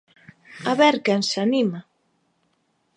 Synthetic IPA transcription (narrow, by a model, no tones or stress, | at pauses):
aβɛɾkensanima